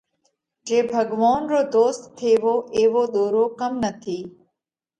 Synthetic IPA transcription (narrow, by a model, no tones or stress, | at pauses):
d͡ʒeːbʱəɡʋaːnɾoːd̪oːst̪ʰːeːʋoːʔeːʋoːɗ̪oːɾoːkəmnət̪ʰiː